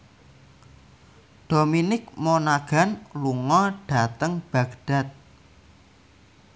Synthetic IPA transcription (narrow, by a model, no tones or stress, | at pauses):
ɖ̥o̤minɪk̚monaɡ̥a̤nluŋɔɖ̥a̤t̪əŋb̥ä̤ɡ̥ɖ̥a̤t̪̚